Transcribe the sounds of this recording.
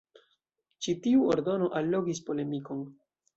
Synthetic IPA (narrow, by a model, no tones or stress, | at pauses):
t͡ʃitiuoɾdo̞no̞ʔalːo̞ɡispo̞le̞miko̞n